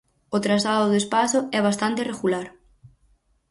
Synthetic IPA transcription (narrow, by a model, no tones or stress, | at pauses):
ot̪ɾazlaðʊðespasʊɛβ̞ast̪ant̪ɪreɣulaɾ